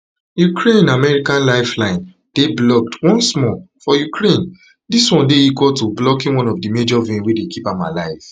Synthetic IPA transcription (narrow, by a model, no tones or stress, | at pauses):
jukʰɹẽnamɛɹikãnlaɪflãɪ̃n | d̥eblɔk̚twɔ̃nsmɔfɔjukʰɹẽn | diswɔ̃ndeikɔltoblɔkĩnwɔ̃nɔvdimed͡ʒɔvĩnwedekʰipãmalaɪv